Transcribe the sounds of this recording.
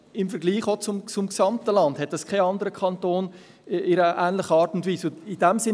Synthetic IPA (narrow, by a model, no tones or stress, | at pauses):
ɪmfɛɐɡliːχot͡sʊmt͡sʊmksɑmtəlɑndhɛt̚d̥ɑskʰaɑndəɾəkʰɑntoːn | ɪɾəʔæːnlɪχəɑːɾtʊntviːsʊid̥ɛmsɪ